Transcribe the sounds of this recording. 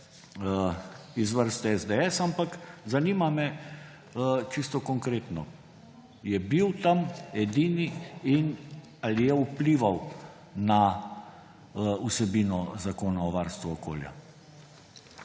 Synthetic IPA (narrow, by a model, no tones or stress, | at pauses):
izʋəɾst̪ɛɛzd̪ɛɛsampakzaniːmamɛ | t͡ʃist̪ɔkɔŋkɾeːt̪nɔ | jɛbiwt̪amɛd̪iːniin | alijɛupliːʋaw | na | usɛbiːnɔzakoːnaɔʋaɾst̪ʋuɔko̰ːlja̰